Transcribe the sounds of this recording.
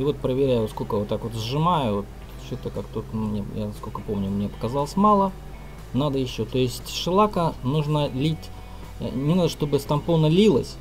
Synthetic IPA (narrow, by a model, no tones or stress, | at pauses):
ivo̞t̪̚pɾəvʲɪɾʲæjʊskokəjvot̪ːakvo̞t̪zʐɨmajʊvo̞t̪ | t͡ɕot̪əkakt̪ut̪mnʲeja̰skolʲkəpomnʲʊmnʲepə̥kɐzalˠəsʲmalˠə | nad̪əjɪɕːot̪o̞jɪsʲtʲʂɨlˠakənuʐnəlʲitʲ | nʲɪnad̪əʂt̪o̞bɨst̪ɐmponəlʲilˠəsʲ